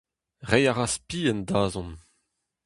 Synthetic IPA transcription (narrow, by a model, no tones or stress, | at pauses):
ʁɛjaʁaspiːɛndaːzɔ̃n